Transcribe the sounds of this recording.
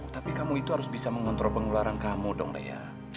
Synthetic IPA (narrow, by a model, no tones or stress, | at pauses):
t̪apikamuit̪uɦaɾʊsbisaməŋɔnt̪ɾopəŋulaɾankamudɔ̰ŋrḛja̰ | t͡ʃ